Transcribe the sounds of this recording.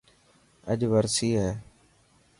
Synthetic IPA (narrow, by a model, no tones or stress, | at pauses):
ə̰ʄʋəɾsiːɦɛː